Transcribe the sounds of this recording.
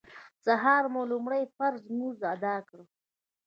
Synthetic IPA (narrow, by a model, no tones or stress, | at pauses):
saɦɑːɾmolumɽajfaɾzmuzad̪ɑkɽə